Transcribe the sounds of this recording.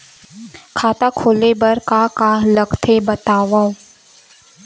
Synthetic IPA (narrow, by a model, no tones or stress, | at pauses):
kʰaːt̪akʰoːlebəɾkakaləɡt̪ʰebɐt̪aːʋaõ